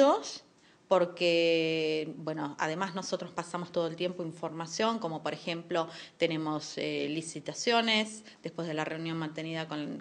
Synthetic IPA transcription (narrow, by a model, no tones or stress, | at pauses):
os | po̞ɾke | bweno̞a̰ð̞e̞mazno̞so̞t̪ɾospasamost̪o̞ð̞oelt̪je̞mpoiɱfo̞ɾmasjo̞ŋko̞mo̞po̞ɾexe̞mplot̪e̞ne̞mo̞selisit̪asjo̞nes | d̪e̞hpwe̞zðelare̞wnjo̞nmãnt̪e̞niðakon